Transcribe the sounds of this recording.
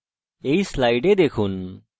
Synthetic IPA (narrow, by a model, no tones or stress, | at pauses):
ejslajɖed̪ekʰun